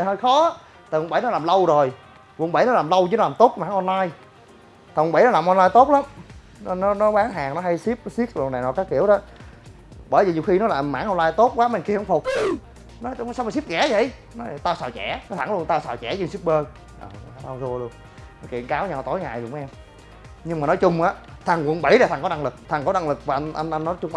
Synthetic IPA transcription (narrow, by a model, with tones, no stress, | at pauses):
həː˧jxɔ˨˦ | t̪ʰa˨˩hŋ͡mɓə˧˩˦jnɔ˨˦laː˨˩mlə˧wzo˨˩j | vu˧˨ŋɓə˧˩jnɔ˦laː˨˩mlə˧wt͡ɕnɔ˨˦laː˨˩mt̪o˦˥t̚maː˧˥˦ŋʔɔ˧nlaː˧j | t̪ʰa˨˩hŋ͡mɓə˧˦nɔ˦laː˨˩mʔɔ˧nlaː˧jt̪o˦˥t̚la˨˦m˧˦ | nɔ˨˦nɔ˨˦ɓaː˨˦ŋɦaː˨˩ŋnɔ˨˦ha˧jsi˦˥p̚si˦˥ət̚lna˨˩jnɔ˨˩kaː˨˥ki˧˩əwɗɔ˨˦ | ɓəː˧˩jvi˨˩ɲi˨˩wxi˧nɔ˨˦laː˨˩mːa̰ː˧˥ŋʔɔ˧nlaː˧jt̪o˦˥t̚kwaː˨˦me˧˩nki˧əhə˧wŋ͡mfʊ˨˩k͡p̚ | nɔ˨˦jsa˧wm˨˩si˦˥p̚ɣɛ˧˦zə̰˧˨j | nɔ˨˦˨t̪aː˧wsaː˨˩t͡ɕɛ̰˧˩˦n˨˦t̪ʰa˧˩ŋlu˧ənt̪aː˧wsaː˨˩wt͡ɕɛ̰˧˩t͡ɕi˧nsi˦˥p̚ɓəː˧ | ʔə̰ː˨˩˦a˧wzu˧əlu˧ən | nɔ˨˦kḭ˧˩ənkaː˨˦wɲaː˧˩wt̪o˨˦jŋa̰ː˨˩jɗʊ˨˩ŋ͡mmʔɛ˧m | ɲɨ˧ŋmaː˨˩nɔ˨˦jt͡ɕʊ˧ŋ͡mʔaː˨˦t̪ʰa˨˩ŋwə̰˧˩˦nɓə˧˩jlaː˨˩t̪a˨˩ŋkɔ˨˦na˧ŋlɨ˨˩k̚t̪ʰa˨˩ŋkɔ˨˦ɗa˧ŋlɨ˨˩k̚maː˨˩ʔa˧nʔa˧jnʔa˧jnːɔ˨˦t͡ɕʊ˧ŋ͡mʔ